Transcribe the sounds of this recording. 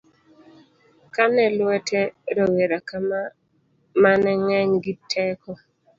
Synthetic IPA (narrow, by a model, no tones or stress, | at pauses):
kanɛlwɛtʰɛɾɔweɾaka | manɛŋɛɲɡitʰɛkɔ